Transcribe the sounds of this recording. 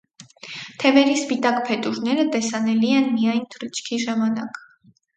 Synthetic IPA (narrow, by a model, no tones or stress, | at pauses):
t̪ʰɛvɛɾispit̪ɑkpʰɛt̪uɾnɛɾət̪ɛsɑnɛliɛnmijɑjnt̪ʰəɾit͡ʃʰkʰiʒɑmɑnɑ̰k